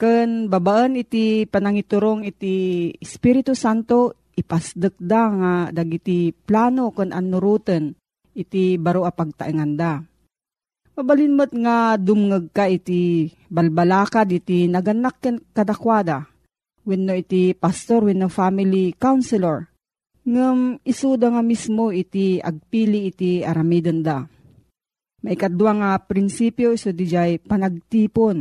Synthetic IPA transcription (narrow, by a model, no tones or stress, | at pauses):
kɨnbabaʔənɪt̪ipanɐŋit̪ʊɾoŋɪt̪iːspiɾɪt̪usant̪o | ʔɪpasd̪ɨk̚d̪aŋad̪aɡit̪iplaːnokɨnʔa̰nːʊɾuːt̪ən | ʔɪt̪ibaɾoʔapaɡ̚t̪a̰ʔiŋand̪a | mɐbalinmət̪̚ŋad̪ʊmŋəɡ̚kaʔit̪i | balbalaːkad̪ɪt̪inɐɡanːakːɛnkɐd̪akwad̪a | wɛnːoʔit̪ipast̪oɾwɛnːofamilikawnsɛlɛɾ | ŋɨmɪsud̪aŋamismoʔit̪ia̰ɡ̚piliʔit̪iaɾamid̪ond̪a | maʔikat̪̚d̪uwaŋapɾɪnsipjoisud̪id͡ʒajpanaɡ̚t̪iːpon